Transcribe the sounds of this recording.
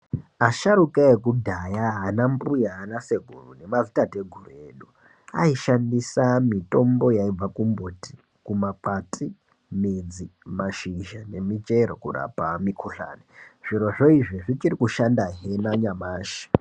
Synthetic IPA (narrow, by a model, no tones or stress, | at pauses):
aʃaɾukaekudʱajaɦːnambujaːnase̞ɡʱurune̞mazitate̞ɡʱurue̞ɗu | a̰iʃandisamito̞mbo̞jaib͡vakumboti̥ | kumaǃatʼi | mid͡zimaʃiʒane̞mit͡ʃeɾokura̰pamikʰuɬa̰ːniʐ̥iɾo̞ʐo̞iʐiʐit͡ʃirikuʃandaɦenaɲamaːʃi̥